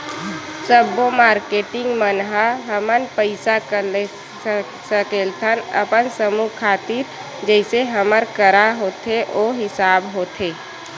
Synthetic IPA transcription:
səbːomaːɾkeːʈɪ̃ŋɡmənɦaɦəmənpəɪsakəle | səkeːlt̪ʰənə̰pənsəmukʰaːt̪iːɾ | d͡ʒɛɪseɦəməɾkəɾaɦoːt̪ʰeʔoːɦɪsaːbɦoːt̪ʰeː

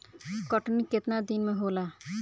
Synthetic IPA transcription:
kɔʈniket̪nad̪inmeɦoːla

